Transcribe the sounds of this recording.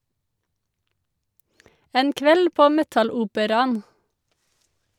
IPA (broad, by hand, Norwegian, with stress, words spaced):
ˈeːn ˈkʋɛl ˈpoː ˈmɛtɑˌluːpəɾɑn